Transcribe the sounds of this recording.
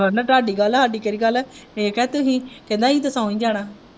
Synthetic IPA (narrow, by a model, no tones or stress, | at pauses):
ənaːʈaːɖiːɡəlɦaːɖiːkeːɾiːɡəlɛːekɛt̪ʊsĩːkɪd̪ãːĩːt̪əsãːĩːd͡ʒaːɽaː